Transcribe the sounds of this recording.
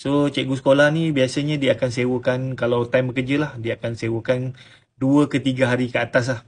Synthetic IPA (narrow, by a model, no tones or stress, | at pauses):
sot͡ʃɛʔɡusə̥kolahnĩbiasəɲãdiaakansewəkankalawt̪ajmbəkəd͡ʒəlahdiəakansewəkan | duəkət̪iɡaɦaɾikəat̪as̬lah